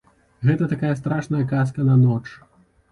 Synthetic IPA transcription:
ɣɛt̪ɐt̪akajɐst̪ɾaʂnɐjɐkaskɐnɐnɔt͡ʂ

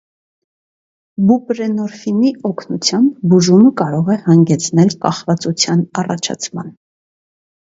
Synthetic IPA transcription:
bupɾɛnɔɾfiniɔkʰnut͡sʰjɑmbbuʒuməkɑɾɔʁɛhɑŋɡɛt͡sʰnɛlkɑχvɑt͡sut͡sʰjɑnɑrɑ̰t͡ʃʰɑ̰t͡sʰmɑn

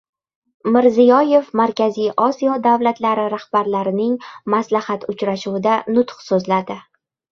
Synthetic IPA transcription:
mɪɾzijɒje̞fmaɾkʲʰazijʔɒsijɒd̪avlat̪laɾɪɾahbaɾlaɾɪnɪŋmaslahat̪ʊt͡ʃɾaʃuwɪd̪anʊt̪χsɵzlad̪ɪ

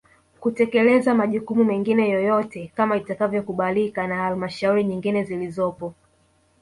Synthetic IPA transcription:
kutɛkɛlɛzamaʄukumumɛŋɡinɛjɔjɔtɛkamaitakavjɔkuɓalikanahalmaʃauɾiɲiŋɡinɛzilizɔpɔ

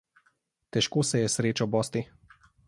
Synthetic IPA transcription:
t̪ɛʃkoːsɛjɛsɾeːt͡ʃɔbɔːst̪i

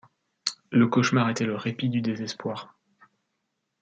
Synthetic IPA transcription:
ləkɔʃmaʁet̪ɛləʁepid̪yd̪ezɛspwaːʁ

